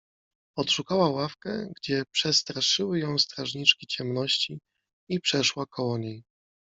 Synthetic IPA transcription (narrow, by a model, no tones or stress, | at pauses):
ɔt̪ʂukawawafkɛ̰ɡd͡ʑɛpʂɛst̪ɾaʂɘwɘjɔ̃w̃st̪ɾaʐɲit͡ʂkʲit͡ɕɛmnɔɕt͡ɕi | ipʂɛʂwakʰɔwɔɲej